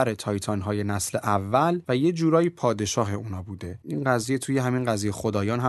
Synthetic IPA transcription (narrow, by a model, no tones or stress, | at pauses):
æɾet̪ʰɒːjt̪ʰɒnɦɒːje̞næsle̞ʔævːælvæje̞d͡ʒuːɾɒːjipʰɒːd̪e̞ʃɒːɦe̞uːnɒːbuːd̪e̞inɢæziːje̞t̪ʰuːjeɦæminɢæziːjejexod̪ɒːjɒːnɦæ